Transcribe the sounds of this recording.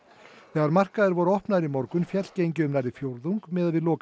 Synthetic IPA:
θɛːɣaɾmar̥kaðɪɾvɔɾʏɔhpnaðɾimɔɾkʏnfjɛt̪cejɲcɪʏmnaɾðɪfjowɾðuŋkmɛːðaðvɪðlɔːk

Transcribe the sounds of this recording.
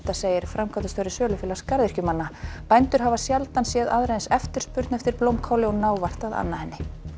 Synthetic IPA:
t̪aseːjɪɾ̥fɾamkʰat̪ʏst̪œɾɪsœːlʏfɪːlḁskaɾðɪ̥cʏmanːapajnt̪ʏɾ̥ɦavasjalt̪ansjɛðaðɾejðnsɛft̪ʏ̥spʏɾt̪nɛft̪ɪɾplowmkʰawlɪɔnaːwvar̥t̪aða̰nːahɛnːɪ

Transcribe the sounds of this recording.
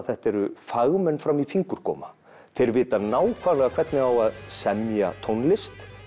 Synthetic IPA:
θɛht̪ɛɾʏfaɣmɛnːfɾamifiŋkʏɾ̥kʰɔ̰ːma | θeɾvɪːt̪anaːwkʰvaːlɛɣakʰv̥ɛɾt̪nɪawaðsɛmja̰t̪ʰownlɪst̪

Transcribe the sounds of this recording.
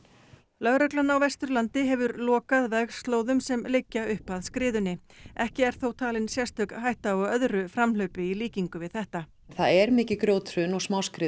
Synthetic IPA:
lœɣɾœklanawvɛst̪ʏɾlant̪ɪɦɛvʏɾlɔːkaðvɛɣ̥st̪loːwðʏmsɛmlɪcːaʏhpaðskɾɪːðʏnːɪɛhcɪɛɾ̥θowt̪ʰaːlɪnsjɛst̪œk̪ɦajht̪aɔɣœðɾʏfɾamlœɥpɪiliːciŋkʏvɪðθɛht̪a | θaðɛɾmɪːcɪkɾjoːwt̪ʰɾʏnɔɣsmaːwskɾɪ

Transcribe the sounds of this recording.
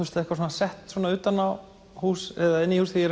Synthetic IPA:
ust̪aðɛhkvasɔːnasɛht̪sɔːnaʏːt̪anːaw | huːsɛðaɛnːihuːsθijɛɾ

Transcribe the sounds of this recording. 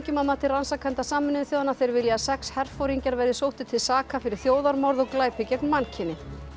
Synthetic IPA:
cʏmamːat̪ʰɪransakʰant̪asaːmɪnɪɪθjowðanaθejɾvɪljasɛkshɛr̥fowɾiɲcaɾvɛɾðɪsowht̪ɪ̥t̪ʰɪlsaːkʰafɪɾɪɾ̥θjoːwðaɾmɔɾðɔɣklaːjpɪcɛknmancʰɪnːɪ

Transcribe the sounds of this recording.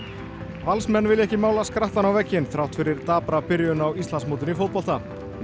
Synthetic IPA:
valsmɛnːvɪlɛhcɪmaːwlaskɾaht̪anawvɛcːɪnθɾawht̪fɪɾɪɾt̪aːpɾapɪɾjʏnawist̪lansmowt̪̬ɪnifowt̪̚pɔlt̪a

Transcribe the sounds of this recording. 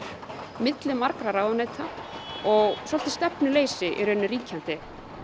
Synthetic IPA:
mɪt̪lɪmaɾkɾaɾaːwðʏneːjt̪ʰaɔɣswɔlt̪ɪ̥st̪ɛpnʏleːjsɪʔɛ̰ɾʏenːɪriːcʰant̪ɪ

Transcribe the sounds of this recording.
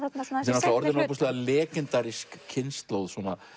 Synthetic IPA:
sɛnast̪aɔɾðɪnap̬ust̪lɛðalɛːkɪnt̪aɾiskʰːɪnst̪lowðswɔna

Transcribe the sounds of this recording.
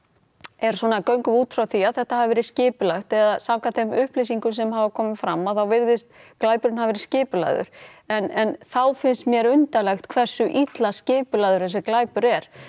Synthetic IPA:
ɛɾ̥sɔːnakœɥŋkʏvuːt̪fɾawθiaðθɛht̪ahavɪvɛːɾɪscɪːpʏlaxt̪ɛðasawkaθɛmʏhplejsiŋkʏs̬ɛmhavakʰɔːmɪfɾamːaθawvɪɾðɪst̪klaːjpʏɾɪnhavvɛɾɪ̥scɪːpʏla̰jðʏ̰ɾ̥ɛnɛnθawfɪnst̪mjɛɾʏnt̪alɛxt̪kʰvɛr̥sʏʔit̪lascɪːpʏlajðʏɾ̥θɛs̬ʏklaːjpʏɾɛɾ̥

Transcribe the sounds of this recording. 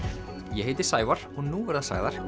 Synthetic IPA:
jɛɦeːjt̪ɪɾ̥saːjvaɾ̥ɔɣnuːvɛɾðasa̰ɣðaɾ̥

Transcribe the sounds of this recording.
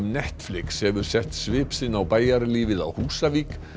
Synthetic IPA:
mnɛht̪flɪkshɛvʏɾ̥sɛht̪svɪːpsɪnːawpaːjaɾliːvɪða̰whuːsaviːk

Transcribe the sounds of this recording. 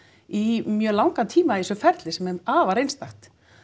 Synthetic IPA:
imjœːlawŋkat̪ʰiːmaisœfɛɾt̪lɪsɛmɛaːvaɾejnst̪axt̪

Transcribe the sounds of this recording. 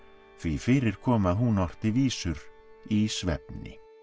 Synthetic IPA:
θvifɪːɾɪɾ̥kʰɔːmaðɦunɔr̥t̪ɪviːsʏɾ | isvɛ̰pnɪ̰

